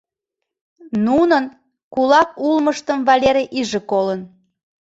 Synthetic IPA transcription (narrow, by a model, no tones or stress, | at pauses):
nunən | kulɑkulməʃt̪əmvɑlʲeɾeʔiʒekolən